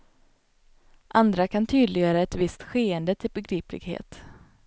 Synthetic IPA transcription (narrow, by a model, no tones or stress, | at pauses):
ʔand̪ɾakʰant̪ʰyːd̪lɪɡœaːɾaɛt̪vɪst̪ɧeːɛnd̪ət̪ʰɪlbɛɡɾiːplɪ̰ɡhḛːt̪